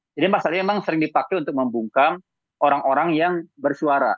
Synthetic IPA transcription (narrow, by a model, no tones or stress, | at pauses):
d͡ʒadimasalɲamemaŋsəɾɪŋdipakaunt̪ʊk̚məmbuŋkam | oɾaŋoɾaŋjaŋbərsuaɾa̰